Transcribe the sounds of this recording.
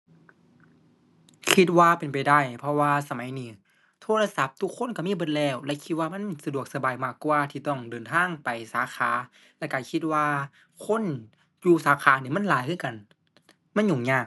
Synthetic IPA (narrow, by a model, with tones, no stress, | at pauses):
kʰi˧t̪̚waː˧pe˨npa˨˩jda˧˩jpʰɔ˧waː˧sa˧ma˨˦jniː˨˦ | t̪ʰoː˧˨la˧sa˧˦p̚t̪ʰu˧kʰːo˧˥˨nka˧˩miː˧˥˨bɤ˧˥t̪̚lɛː˧˩wlɛ˧ʔkʰi˧t̪̚waː˧ma˧˥˨nsa˧du˨˩ək̚sa˧baː˨˩jmaː˧˩kːwːt̪ʰiː˧˩t̪ɔ˧˩ŋdɤː˨˩nt̪ʰaː˧˥˨ŋpa˨˩jsaː˨˦xʰaː˨˦ | lɛ˧˩kaː˧˩kʰi˧t̪̚waː˧ | kʰo˧˥˨n | juː˧˩saː˨˦kʰaː˨˦niː˧˩ma˧˥˨nlaː˨˦jkʰɯː˧˨ka˨n | ma˧˥˨nɲuː˨˩ŋɲaː˧˩k̚